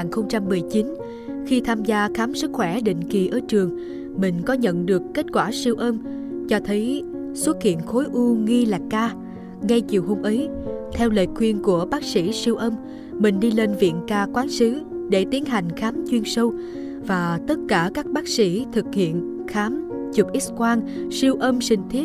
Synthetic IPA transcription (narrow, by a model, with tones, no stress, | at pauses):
nxə˧wŋ͡mt͡ɕa˧mːɨ˨˩əjt͡ɕi˨˦n | xi˧t̪ʰaː˧mzaː˧xaː˨˦msɨ˦˥k̚xwɛ˧˩ɗḭ̈˧˨ŋ̟ki˨˩ʔəː˧˩t͡ɕɨ˨˩əŋ | mï˨˩ŋ̟kɔ˨˦ɲə̰˧˨nɗɨ˨˩əkkːe˦˥t̚kwaː˧˩si˧əwʔə˧m | t͡ɕɔ˧t̪ʰə˨˦j | swə˦˥t̚kḭ˧˨ənxo˨˦jʔu˧ŋi˧laː˨˩kːaː˧ | ŋa˧jt͡ɕi˨˩əwɦo˧mʔə˨˦jt̪ʰɛ˧wlə̰ː˧˨jkwi˧ənku˧˩əɓaː˦˥k̚sḭ˧˩si˧əwʔə˧m | mï˨˩ŋ̟ɗi˧le˧nvḭ˧˨ənkaː˧kwaː˨˦nsɨ˨˦ɗe˧˩t̪i˨˦ənɦa˨˩jŋ̟xaː˨˦mt͡ɕwi˧ənsə˧w | vaː˨˩t̪ə˦˥t̚kaː˧˩kaː˦˥k̚ɓaː˦˥k̚sḭ˧˩t̪ʰɨ˨˩k̚hḭ˧˨ən | xaː˨˦mt͡ɕu˨˩p̚ʔi˦˥t̚kwaː˧nsi˧əwʔə˧msï˧˩ŋ̟t̪ʰi˦˥t̚